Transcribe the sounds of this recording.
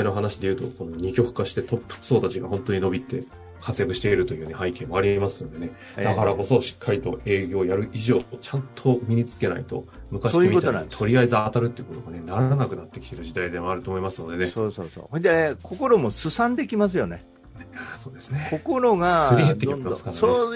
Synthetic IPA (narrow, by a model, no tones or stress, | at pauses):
ino̞ɦanaɕid̪e̞jɯ̟ːt̪o̞̰ko̞no̞ɲ̟ikʲo̞kɯ̥kaɕi̥t̪e̞t̪o̞pːɯ̥so̞ːt̪at͡ɕiɡa̰hõ̞nt̪o̞ɲ̟ino̞bʲit̪ːe̞ | kʰat͡sɨjakɯ̟ɕi̥t̪e̞iɾɯ̟t̪o̞jɯ̟ːne̞hãikẽ̞ːmːo̞aɾʲimasɨno̞d̪e̞ne̞ | d̪akaɾako̞so̞ɕi̥kʰːaɾʲit̪o̞̰e̞ːɡʲo̞ːjaɾɯ̟ʔiʑo̞ːt͡ɕãnt̪ʰo̞mʲiɲit͡sɨ̥ke̞na̰it̪o̞̰mɯ̟kaɕeioaiit̪o̞ɾʲiaizɨat̪aɾɯ̟t̪ːeiɯ̟kot̪o̞ɡane̞naɾaanakɯ̟nat̪ːe̞kʲi̥t̪e̞ɾɯ̟ʑid̪aid̪e̞maaɾɯ̟t̪o̞ːmo̞imasɨno̞d̪e̞ne̞sosoːso̰ːd̪ekʰoko̞ɾomo̞sɨsãnd̪e̞kʲimas̬ɨjo̞ne | aso̞ːd̪e̞sɨ̥nekokoɾoɡasɨɾʲiɦet̪ːeiimasɨ̥kao